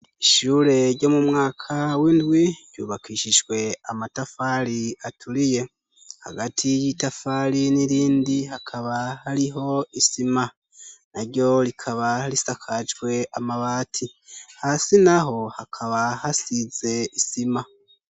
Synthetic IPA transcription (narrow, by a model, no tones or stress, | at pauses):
iʃuːɾe̞ɾɟo̞ːmumŋaːkʰawiːndɡwiɾj̥uːβakiːʃiʒwe̞amatafaɾiatʰuɾije̞ | ha̰ɡatʰijitafaːɾiniɾiːndihakʰaβahaɾiɦo̞isima | naɾɟo̞ɾikʰaβalisakʰad͡ʒɡwe̞amaβaːtʰihasinaɦo̞hakʰaβahasize̞isima